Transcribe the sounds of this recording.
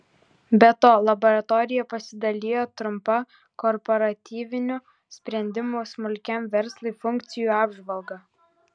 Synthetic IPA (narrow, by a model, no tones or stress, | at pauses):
bʲɛt̪oːlˠɐbɔɾɐt̪ɔːɾʲɪjɛpɐsʲɪd̪ɐlʲeːjoːt̪ɾʊmpɐ | kɔɾpɔɾɐt̪ʲiːʋʲɪnʲʊ | sʲpʲɾʲɛnʲd̪ʲɪmuːsmʊlʲkʲɛmʋʲɛɾslˠɐɪfʊŋʲk̚t̪sʲɪjuːɑːbʒʋɐlˠɡɐ